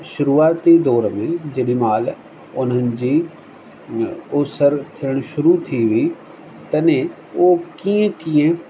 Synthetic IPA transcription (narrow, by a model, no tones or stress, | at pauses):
ʃʊɾuːaːt̪id̪ɔːɾmẽd͡ʒeɗimaːl | ʊnənd͡ʒiː | ʊsəɾt̪ʰɪəɽ̃ʃʊɾut̪ʰiʋiː | t̪ɐnẽ | oːkiẽkijẽ